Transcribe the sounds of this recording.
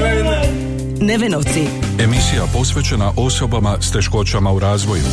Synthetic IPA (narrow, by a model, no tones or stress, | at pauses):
neʋenoʋt̪sie̞misijapo̞sʋe̞t͡ɕe̞naʔo̞so̞bamast̪e̞ʃko̞t͡ɕamauɾaːzʋo̞jṵ